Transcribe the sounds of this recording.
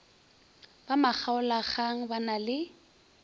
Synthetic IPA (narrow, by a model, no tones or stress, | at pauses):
b̥amak͡xʰaʊlaχaŋ̩banalɪ